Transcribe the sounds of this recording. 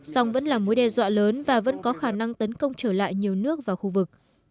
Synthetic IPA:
sa˧wŋ͡mvə̰˧˥nlaː˨˩mo˨˦jɗɛ˧˩zwa̰ː˧˨ləː˨˦nvaː˨˩və̰˧˥nkɔ˨˦xaː˧˩na˧ŋt̪ə˨˦nkə˧wŋ͡mt͡ɕəː˧˩la̰ː˧˨jɲi˨˩əwnɨ˦˥ək̚vaː˨˩wxu˧vɨ˨˩k̚

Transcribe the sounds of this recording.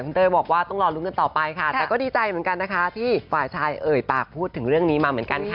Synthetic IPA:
kʰu˧nt̪ɤː˧jbɔː˨˩k̚waː˥˩t̪ɔ˥˩ŋɾɔː˧lu˦˥ka˧nt̪ɔː˨˩pa˧jkʰaː˥˩˨kɔː˥˩diː˧t͡ɕa˧jmɯ˩˦ŋka˧nːa˦˥kʰa˦˥t̪ʰiː˥˩faː˨˩jt͡ɕʰaː˧jʔɤː˨˩jpaː˨˩k̚pʰuː˥˩t̪ʰːɯ˩˦ŋɾɯ˥˩əŋniː˦˥maː˧mɯ˩˦ənka˧nkʰa˥˩

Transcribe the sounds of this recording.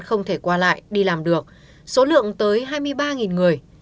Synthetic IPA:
nxə˧wŋ͡mt̪ʰe˧˩kwaː˧la̰ː˧˨jɗi˧laː˨˩mɗɨ˨˩ək̚ | so˨˦lɨ̰˧˨əŋt̪əː˨˦jɦaː˧jmɨ˧əjɓaː˧ŋi˨˩nŋɨ˨˩əj

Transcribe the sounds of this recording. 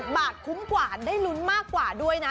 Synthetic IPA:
ɓaː˨˩t̚kʊ˨˦ŋ͡mkwaː˧˩ɗə˧˥jlu˨˧˦ənmaː˧˥kwaː˧˩ɗu˧əjna˨˦

